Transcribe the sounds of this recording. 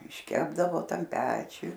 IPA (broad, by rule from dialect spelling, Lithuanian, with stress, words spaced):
ɪʃʲˈkʲæːbdɐʋoː ˈtɐm ˈpʲæːt͡ʃʲʊj